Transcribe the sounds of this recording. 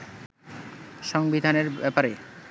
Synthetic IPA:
ʃɔŋbid̪ʱaneɾbɛpaɾe

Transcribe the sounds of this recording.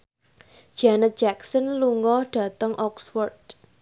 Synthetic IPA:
d͡ʒ̥anət̪̚d͡ʒaksənluŋɔɖ̥ä̤t̪əŋʔɔksfɔrd̥

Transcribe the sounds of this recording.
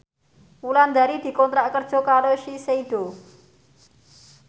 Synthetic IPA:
uland̪aɾid̪̥i̤kɔnt̪ɾaʔkərd̥ʒ̥ɔ̤kaɾoʃiseiɖ̪̥o̤

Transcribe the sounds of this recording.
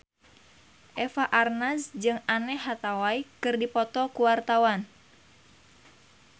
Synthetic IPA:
ʔɛfaʔarnasd͡ʒɨŋanɛɦat̪awaikɨrdipɔt̪ɔkuwart̪awan

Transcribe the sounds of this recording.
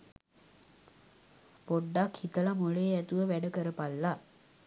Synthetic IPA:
poɖːakhit̪əlamoɭeːæt̪uʋəʋæɖəkəɾəpalːa

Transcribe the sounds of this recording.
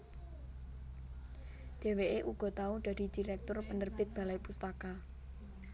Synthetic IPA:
ɖ̥e̤weʔeʔuɡ̥ɔ̤t̪auɖ̥ä̤d̥i̤d̥iɾɛk̚t̪ʊrpənərb̥ɪt̪̚b̥alajpust̪aka

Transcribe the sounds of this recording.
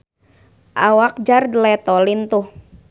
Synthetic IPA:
ʔawak̚d͡ʒardəlɛt̪ɔlint̪uh

